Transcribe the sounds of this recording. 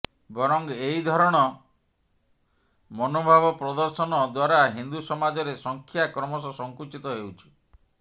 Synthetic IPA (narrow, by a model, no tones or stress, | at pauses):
bɔɾɔŋeɦid̪ʱɔɾɔɽ̃ɔ | mɔnobʱaβɔpɾɔd̪ɔɾsɔnɔd̪waɾaɦind̪usɔmad͡ʒɔɾesɔŋkʰjakɾɔmɔs̬ɔsɔŋkut͡ʃit̪ɔɦewt͡ʃʰu̥